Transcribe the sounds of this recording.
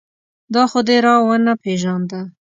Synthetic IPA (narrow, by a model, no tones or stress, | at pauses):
d̪ɑxod̪eɾɑwanapeʒɑnd̪a